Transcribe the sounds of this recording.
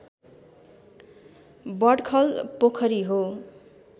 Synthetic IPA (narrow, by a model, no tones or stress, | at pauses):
bʌɖkʰʌlpokʰʌɾiɦo